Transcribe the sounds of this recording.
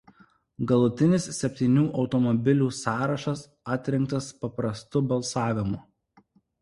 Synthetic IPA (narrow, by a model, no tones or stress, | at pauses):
ɡɐlˠʊt̪ʲɪnʲɪsːʲɛpʲt̪ʲiːnʲuːʔɒʊt̪ɔmɔbʲɪlʲuːsɑːɾɐʃɐs | ɑːt̪ʲɾʲɛŋk̚t̪ɐspɐpɾɐst̪ʊbɐlˠsɑːʋʲɪmʊ